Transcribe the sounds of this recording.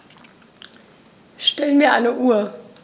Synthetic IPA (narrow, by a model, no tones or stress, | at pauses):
ʃtɛlənmiːɐʔa̰ɪnəʔuːɐ